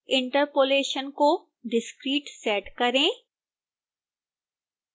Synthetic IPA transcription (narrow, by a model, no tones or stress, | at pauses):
ɪ̃ɳʈəɾpoːleːʃənko | ɖɪskɾiːʈsɛːʈkɐɾẽː